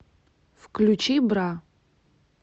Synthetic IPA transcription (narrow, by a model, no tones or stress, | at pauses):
fklʲut͡ʃibra